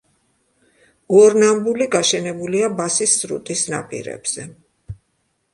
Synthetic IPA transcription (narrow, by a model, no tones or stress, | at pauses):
ɔɾnambuliɡaʃɛnɛbuliabasisːɾṵt̪ʼisna̰pʼḭɾɛ̰bz̥ɛ